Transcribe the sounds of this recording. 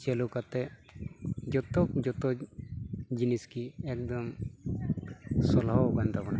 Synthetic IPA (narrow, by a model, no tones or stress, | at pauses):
t͡ʃelukat̪ɛ | d͡ʒɔt̪ɔkd͡ʒɔt̪ɔ | d͡ʒiniskiɛk̚d̪ɔm | sɔlɦawkant̪abana